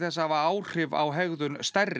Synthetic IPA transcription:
θɛsːaavaaːwr̥ɪva̰wɦɛɣðʏnst̪ɛrː

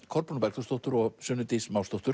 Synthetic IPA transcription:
kʰɔɾpunpɛɾkt̪θɔst̪owht̪ʏɾɔɣsʏːnʏt̪ismawst̪owt̪ʏɾ

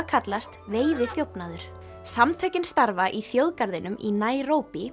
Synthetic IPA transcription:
kʰat̪last̪veːjðɪθjowpnaðʏɾ̥ | samt̪ʰœːɥcɪnst̪aɾvaʔiθjowðkaɾðɪnʏmʔinaːjroːwpi

